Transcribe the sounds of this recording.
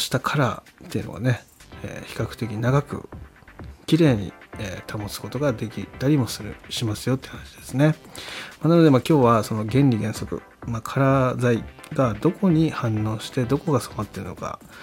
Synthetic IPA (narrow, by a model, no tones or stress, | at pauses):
ɕi̥t̪akʰaɾat̪ːe̞iɯ̟no̞̰ɡa̰ne̞ḛːçi̥kakɯ̟t̪e̞k̬ʲiɲ̟inaɡakɯ̟̰ | kʲiɾe̞ːɲ̟ḭeːt̪ʰamo̞t͡sɨ̥ko̞t̪o̞ɡad̪e̞kʲit̪aɾʲimo̞sɨɾɯ̟̰ɕimasɨjo̞t̪ːehanaɕid̪̥e̞sɨne̞manano̞d̪e̞makʲo̞ːβaso̞no̞ɡẽ̞nʲɾʲiɡ̪ẽ̞ɰ̃so̞kɯ̟̰ | makʰaɾazaiɡad̪o̞ko̞ɲ̟ihãnːo̞ːɕi̥t̪e̞d̪o̞ko̞ɡasomat̪ːe̞ɾɯ̟no̞̰ka̰